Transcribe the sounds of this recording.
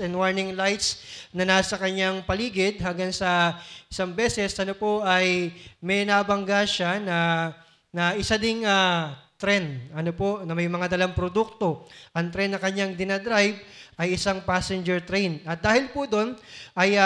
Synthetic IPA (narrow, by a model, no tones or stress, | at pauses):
ɛnd̪waɹnɪŋlajt̪snɐnaːsɐkɐɲaŋpɐliːɡɪd̪̚ɦɐŋɡaŋsɐɪsaŋbɛːsɛsʔɐnopoʔɐjmɛnabɐŋɡaʃanɐ | nɐʔɪsad̪ɪŋat̪ɾɛnɐnopo̞ʔnɐmɐjmɐŋad̪ɐlaŋpɾod̪uk̚t̪o̞ʔɐŋt̪ɾɛnːɐkɐɲaŋd̪ɪnɐd̪ɾajb̚ʔɐjɪsaŋpasɛnd͡ʒɛɹt̪ɾɛjnɐt̪̚d̪aːhɪlpʊd̪o̞nʔɐj